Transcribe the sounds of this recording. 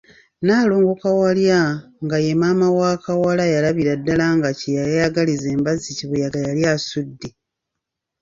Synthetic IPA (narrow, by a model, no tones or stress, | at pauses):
naːlo̞ːŋɡo̞kawaljaŋɡaje̞maːmawaːkawalajalaβiɾadːalaŋɡacijajajaɡalize̞ːmbaziciβujaɡajaljasudːe